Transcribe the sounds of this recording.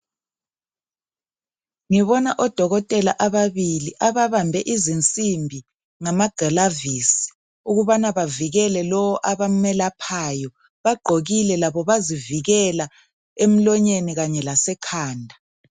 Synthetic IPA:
ŋiβɔnaʔɔd̥ʱɔɣɔtʼɛla̰ʔaβaβiliʔaβaβambʱɛʔizint͡sʼimbʱi | ŋamaɡ̥ʱalaviːsi̥ | uɣuβanaβaviɣɛlɛlɔwɔʔaβamɛlapʰaːjɔ | βaɡ͡ǃʱoɣilɛlaβɔβaziviɣɛla | em̩lɔɲeniɣaɲɛlasɛkʰaːndʱa

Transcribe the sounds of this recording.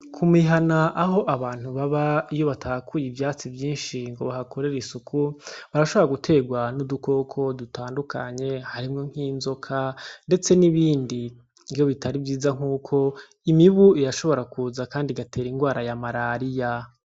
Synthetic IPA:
kʰumiɦanaʔaɦo̞ʔaβaːn̥uβaβaijo̞βatʰakʰujivjaːt͡sivjiːnʃiŋɡo̞βahakʰo̞ɾe̞ɾisukʰuβaɾaʃo̞βo̞ɾaɡutʰe̞ːɡwanuduko̞kʰo̞dutʰaːndukʰaɲe̞haɾimŋo̞ŋ̥hiːnzo̞kʰande̞t͡se̞niβiːndiː | jo̞βitʰaɾibjiːzaŋ̥uːkʰo̞ | imiβuijaʃo̞βo̞ɾakuːzakaːndiɡatʰe̞ːɾiŋɡwaːɾajamaɾaɾija

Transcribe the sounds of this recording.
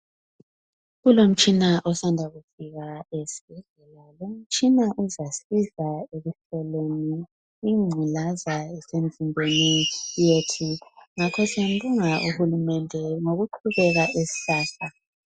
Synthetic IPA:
ɣulom̩t͡ʃʼinaʔɔsandʱaɣufiɣaesi̥b̥ʱɛɮɛlalom̩t͡ʃʼinaʔuzasizaeɣuɬɛlweniː | ŋ͡ǀʱulazaɛsem̩zʱimbʱenijetʰiŋakʰɔsiam̩buŋaʔuhulumɛndʱɛŋoɣuǃʰuβɛɣaʔesi̥ɬaːɬa

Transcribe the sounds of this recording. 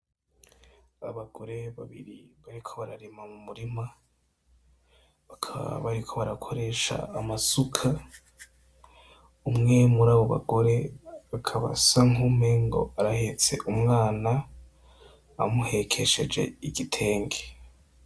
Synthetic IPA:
aβaɡo̞ɾeβaβḭɾiβaɾikʰo̞βaɾaɾemamumuɾima | βakʰaβa̰βaɾikʰo̞βaɾakʰo̞ɾe̞ːʃa̰ːmasukʰa | umŋe̞muɾaːβo̞βa̰ɡo̞ɾe̞βakʰaβa̰saŋume̞ŋɡo̞̰aɾahet͡se̞ʔumŋaːna | muhe̞kʰe̞ʃe̞̰d͡ʒe̞̰iɡitʰe̞ːŋɡe

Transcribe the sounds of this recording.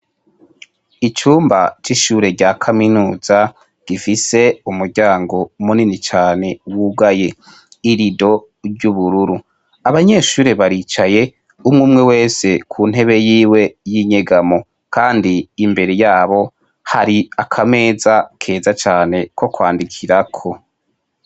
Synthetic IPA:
it͡ʃuːmba̰t͡ʃiʃuːɾe̞ɾɟaːkʰaminuːza | ɡ̥ifise̞umuɾɟaːŋɡo̞muninit͡ʃaːne̞wuɡaje̞ | iɾido̞ | ɾɟuβuɾuɾu | aβaɲe̞ːʃuːɾe̞βaɾit͡ʃaje̞ | umŋuːmŋe̞we̞ːse̞kʰun̥ɦe̞βe̞jiːwe̞jiɲe̞ɡamo̞ | kʰaːndiːmbe̞ɾe̞jaːβo̞ | haɾiakʰame̞ːzakʰe̞ːzat͡ʃaːne̞ko̞kwaːndikʰiɾakʰo̞

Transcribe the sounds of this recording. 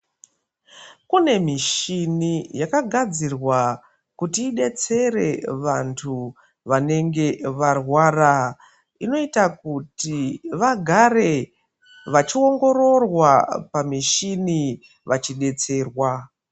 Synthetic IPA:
kune̞miʃinijakaɡʱad͡zirwa | kutiːɗe̞t͡se̞re̞ʋantʰu | ʋane̞ŋɡe̞ʋarwara | ino̞itakutiʋaɡʱare̞ | ʋat͡ʃio̞ŋɡo̞ɾo̞rwapamiʃini | ʋat͡ʃiɗe̞t͡se̞ːrwa

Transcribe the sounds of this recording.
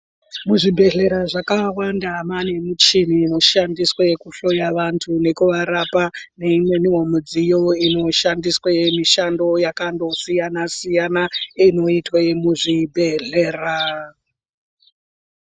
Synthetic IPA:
muʐibʱe̞ɮe̞ɾaʐakawandamane̞mut͡ʃiniːno̞ʃandiswekuɬo̞jaʋantʰune̞kuʋaɾapane̞imweniwomud͡zijo̞ino̞ʃandiswemiʃando̞jakando̞sijanasijanaino̞itwamuʐibʱe̞ɮe̞ːra

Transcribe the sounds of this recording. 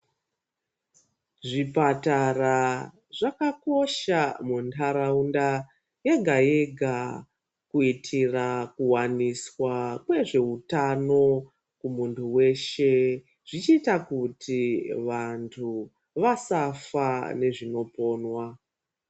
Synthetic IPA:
ʐipatara | ʐakako̞ʃamuntʰaɾaunda | jeɡʱajeɡʱa | kuitʰirakuwaniswakwe̞ʐe̞utano̞ | kumuntʰuwe̞ʃe̞ | ʐ̥it͡ʃiːtakutʰiʋantʰu | ʋasafane̞ʐino̞po̞ːnwa

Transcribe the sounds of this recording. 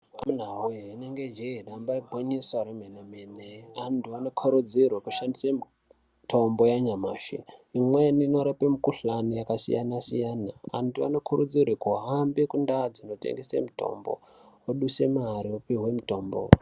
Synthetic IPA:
a̰mun̤aweineŋɡed͡ʒeeɗambaibʱoɲiswaɾemenemeneantuano̞kʰoɾud͡zirwekuʃandisemi | tʰo̞mbo̞jaɲamaːʃḭimwenino̞ɾapemikuɬanojakasḭjanasijaːna̰ːntua̰no̞kʰuɾud͡zirwekuɦambekundad͡zino̞tḛŋɡesḛmito̞̰mbo̰ | oɗuse̞maɦaɾiopiwemito̞ːmbo̰

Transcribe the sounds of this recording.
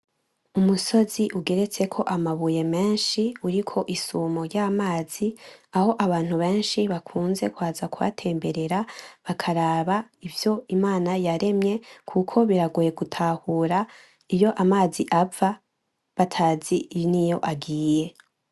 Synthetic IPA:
umuso̞ziʔuɡe̞ɾe̞t͡se̞kʰo̞ʔamaβuje̞me̞ːnʃiuɾikʰo̞ʔisuːmo̞jɟaːmaːz̥iaho̞ʔaβaːn̥huβe̞ːnʃiβakʰuːnze̞kwaːzakuβa̰tʰe̞ːmbe̞ɾe̞ɾaβakʰaɾaːβaivjo̞imaːnajaɾe̞mɲe̞kʰukʰo̞βiɾaɡuje̞ɡutʰahuːɾa | ijo̞ʔamaːziʔava | βatʰaːzinijo̞ʔaɡiːje̞

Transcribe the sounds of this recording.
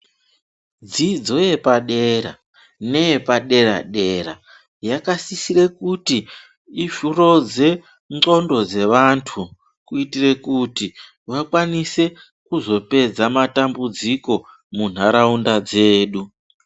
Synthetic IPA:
d͡zid͡zo̞je̞paɗe̞ɾa̰ | ne̞jepaɗe̞ɾa̰ɗe̞ɾa̰ | jakasisire̞kutiː | ʃuro̞d͡ze̞ | ŋ͡ǃo̞ndo̞d͡ze̞ʋantʰu | kuitire̞kuti | wakwanise̞ | kuzo̞pe̞d͡zamatambud͡ziko̞ | mun̤aɾaundad͡zeːɗu

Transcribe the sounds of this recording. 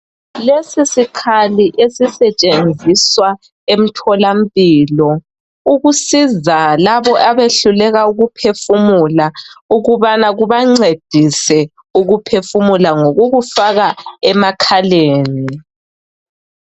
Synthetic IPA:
lesisikʰaliʔesisɛt͡ʃʼend͡zʱiswa | em̩tʰɔlam̩pʼiːlɔ | uɣusizalaβɔʔaβeɬulɛɣauɣupʰefumulauɣuβanaɣuβaŋ͡ǀed̥ʱisɛ | uɣupʰefumulaŋoɣuɣufaɣaɛmakʰaleːni

